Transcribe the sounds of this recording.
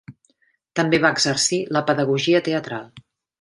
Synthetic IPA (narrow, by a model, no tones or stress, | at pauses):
t̪əmbeβaəɡzərsiləpəðəɣ̞uʒiət̪eət̪ɾalˠ